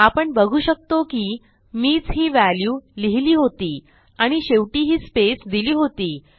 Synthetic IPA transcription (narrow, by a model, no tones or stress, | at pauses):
apəɳbəɡʱuːɕək̚t̪okiː | miːd͡zɦiːʋæljuːliɦliːɦot̪iː | aɽ̃iɕeʋʈiːɦiːspesd̪iliːɦot̪iː